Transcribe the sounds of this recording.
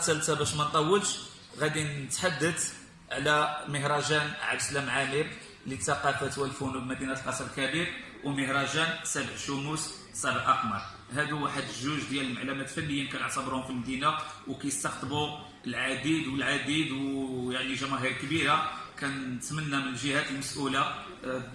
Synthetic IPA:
t̪ælt̪æbæʃmænt̪ˤɑwːəlʃ | ɣæd̪inət̪ħad̪ːət̪ | ʕlæməɦɾˤɑʒænʕa̰bslæmʕamib | lit̪ːɑqɑfæt̪wælfunubmæd̪inæt̪lqɑsˤɾˤlkæbiɾ | wəməɦɾˤɑʒænsæbəʕʃumus | sˤɑbəʔʔɑqmɑɾˤ | hæd̪uwaħəd̪əʒːuʒd̪jæləlmaʕlumæt̪fænːəjːinkæjəʕt̪ˤɑbəɾhʊmfilmd̪inawkæjəst̪ɑqt̪ˤbu | əlʕad̪id̪wəlʕad̪id̪wjaʕniʒæmæɦikbiɾakænt̪mənːæmənəlʒəhæt̪əlməsʔula

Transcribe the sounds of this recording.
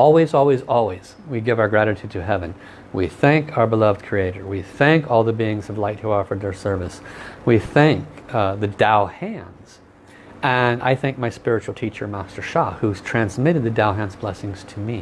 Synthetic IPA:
ɔlˠwizɔlˠwizɔlˠwiz̥ | wiɡɪvaʊə˞ɡɹæɾɨɾʰʉdɾɨɦɛvɨ̃n | wiθæ̃ŋkʰaʊə˞bəlʌvd̚kʰɹ̥ieɪɾə˞wiθæ̃ŋkɔlˠðəbiɪ̃ŋz̥ʌvlaɪt̚huə˞fə˞ðə˞sɜ˞vɨswiθæ̃ŋk̚ðɨdaʊhæ̃nz̥ | ʔɨ̃na̰ɪθæ̃ŋk̚maɪspɪɹɨt͡ʃul̩ˠtʰit͡ʃə˞mæstə˞ʃɑhuz̥tʰɹ̥æ̃nzmɪɾɨd̪̚ðɨdaʊɦæ̃nzblɛsɪ̃ŋz̥tʰɨmi

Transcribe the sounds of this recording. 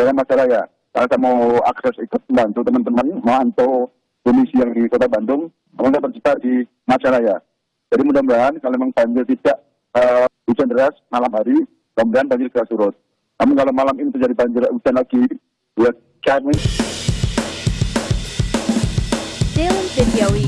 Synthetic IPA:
dalamat͡ʃaɾaja | kalasamawa̰ksɛsikʊməmbant̪ut̪əmanp̪əmanmaant̪o | konisijaŋdikot̪abandʊŋ | namʊŋkat̪ərt͡ʃit̪adi | mat͡ʃaɾaja | d͡ʒadimudaumlaɦankaloemaŋpaɲd͡ʒɪrt̪idaʔ | ə | ut͡ʃandəɾasmalamɦaɾi | damudaɦanbaɲd͡ʒɪrkəɾasuɾʊt̪̚ | namʊŋkalomalaminit̪ərd͡ʒadibaɲd͡ʒɪrut͡ʃanlaɡi | ja | kami | sensediawi

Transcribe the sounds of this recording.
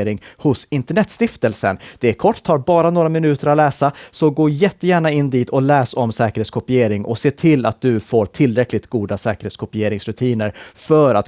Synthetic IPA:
ɾɪŋhʊsɪnt̪əɳɛt̪ːst̪ɪft̪əlsə̰nd̪̥ɛæɾkʰɔʈːt̪ʰːɑːɾbɑːɾanoːɾamɪnʉ̟ːt̪əɾat̪lɛːsasɔɡoːjɛt̪ːəjæːɳaɪnːd̪iːt̪ʰɔlɛːsɔmsɛːkəɾheːt̪skʰɔpɪjeːɾɪŋʔɔ̰seːʈʰɪlːa̰t̪̚d̪ɵfoːɾʈʰɪlːɾɛklɪt̪ɡuːd̪asɛːkəɾheːt̪skʰɔpɪjeːɾɪŋsɾɵt̪ʰiːnəɾfœɾa̰t̪

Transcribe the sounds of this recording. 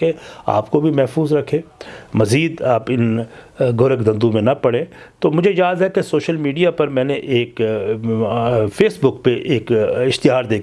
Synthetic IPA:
ea̰ːpkobʱimɛɦfuːzɾɐkʰẽːmɐziːd̪aːpɪnɡoːɾəkd̪ɐ̃nd̪ũmẽnɐpɐɽẽ | t̪oːmʊd͡ʒʱejaːzɦɛkesoːʃəlmiːɖijapɐɾmɛ̃ːneʔeːk | fʰeːsbʊkpeʔeːkɪxt̪ɪɦaːɾd̪eːkʰ

